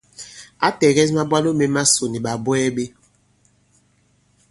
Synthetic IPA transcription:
a˦tɛ˨ɣɛ˦s̬ma˦ba˦no˦me˦ma˦so˨ni˨ɓa˨bwɛ˦ɓe˦

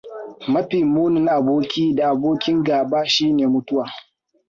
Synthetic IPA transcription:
mɐ˦ɸiː˨muː˦nɪ˦ŋʔa˨boː˦kʲiː˦da˨ʔa˨boː˦kʲɪ˦ŋɡaː˨baː˦ʃiː˦neː˨mʊ˦tʊ˦waː˨

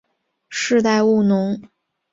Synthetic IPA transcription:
ʂɻ̩˥˧t̪a˥˧ɪu˥˩nʊ˧˥ŋ

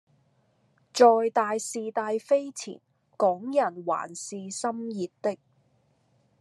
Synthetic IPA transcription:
t͡ʃɔː˨jt̪aː˨˧jsiː˨t̪aː˧jfe˥jt͡sʰḭː˨˩n | kɔː˨˥ŋjɐ˨˩nwa̰ː˨˩nsiː˨˧sɐ˥mjiː˨t̚t̪ɪ˥k̚

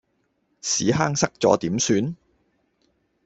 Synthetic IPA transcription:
sḭː˨˥ɦaː˥ŋsɐ˥k̚t͡sɔ̰ː˨˥t̪iː˨˥msyː˨˧n

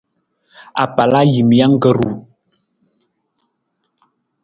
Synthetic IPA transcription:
a̰˨pa˨la˦ji˨mja˦ŋ˦ɡə˦ɾu˨

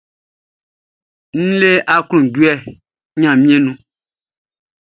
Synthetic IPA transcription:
n̩˦le˦ʔa˦klũ˨ɡu˦ɛ˦˨ | ɲã˨mĩ˦e˦nũ˦

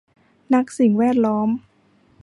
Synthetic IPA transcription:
na˦˥k̚si˨˩ŋwɛː˥˩t̪̚lɔː˦˥m

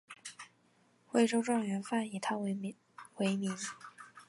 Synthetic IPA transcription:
xwe˥˩ɪʈ͡ʂo˥ʊʈ͡ʂwɑ˥˩ŋɥɛ˧˥nfa˥˩ni˨˩t̪ʰa˥ | we˧˥ɪmi˧˥ŋ

